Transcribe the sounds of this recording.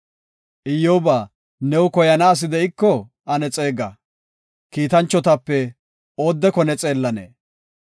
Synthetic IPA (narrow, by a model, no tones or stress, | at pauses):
ʔɪjːoːbaː | nɛwʊkɔjɐnaːs̬ɪd̪ɛɪkːɔ | ɐnɛt͡sʼe̞ːɡɐ | kiːt̪ɐnt͡ʃːɔt̪ɐpːɛ | oːd̪ːɛkɔnɛt͡sʼe̞ːlːɐnḛː